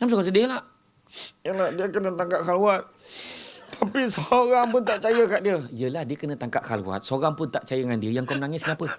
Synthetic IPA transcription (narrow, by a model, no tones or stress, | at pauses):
nams̬oɣaŋsədɪhlah | jəlahdiəkənət̪aŋkap̚kaluat̪̚ | t̪ʰapisɾaŋpʊnt̪aʔt͡ʃajəkaʔdiəijəlahdiəkənət̪aŋkaʔ̚halṵwa̰t̪̚soɾaŋpʊnt̪aʔt͡ʃajədəŋandiəjaŋkomənaŋɪskəapə